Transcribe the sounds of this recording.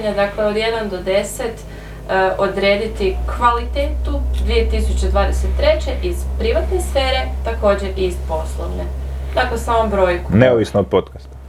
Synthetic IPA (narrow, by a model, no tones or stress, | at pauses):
ɲad̪akle̞od̪je̞d̪and̪o̞d̪e̞se̞t̪ | ʔo̞d̪ɾeːd̪it̪ikʋalit̪eːt̪ud̪ʋije̞t̪isut͡ɕe̞d̪ʋaːd̪eset̪ːɾe̞t͡ɕe̞ʔiz̥pɾiʋat̪ne̞sfeːɾe̞t̪ako̞ːd͡ʑeɾispo̞slˠoʋned̪aklesaːmo̞mbɾo̞ːjkuneoʋisnood̪̚pot̪kast̪